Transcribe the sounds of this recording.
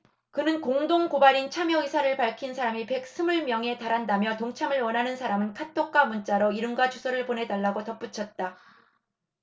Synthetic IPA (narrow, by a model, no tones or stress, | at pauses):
kɯnɯnkoŋdoŋkobaɾint͡ɕʰamjʌisʰaɾɯɭpaɭkʰinsʰaɾamipe̞k̚s͈ʰɯmuɭmjʌŋe̞taɾɦandamjʌtoŋt͡ɕʰamɯɭwʌnɦanɯnsʰaɾamɯnkʰatʰok͈wamunt͡ɕ͈aɾoiɾɯŋɡwat͡ɕʰosʰʌɾɯɭpone̞daɭːaɡotʌp͈ut͡ɕʰʌt̚t͈a